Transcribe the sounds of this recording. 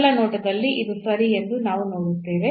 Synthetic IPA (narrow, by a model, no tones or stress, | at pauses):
lɐnoːʈɐd̪ɐlːiʔid̪usɐɾiend̪unaːʋunoːɽut̪ːeːʋe